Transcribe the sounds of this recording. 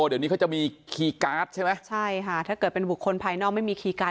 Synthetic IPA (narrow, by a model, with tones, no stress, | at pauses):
o˧˩d̪niː˦˥ka˥t͡ɕa˨˩miː˧kʰiː˧kaː˦˥t̪̚t͡ɕʰa˥˩jma˦˥jt͡ɕʰa˥˩jkʰa˦˥˩t̪ʰaː˥˩kɤː˨˩t̪pe˧nbu˨˩kʰːo˧npʰaː˧jnɔː˥˩k̚ma˥˩jmiː˧kʰiː˧kaː˦˥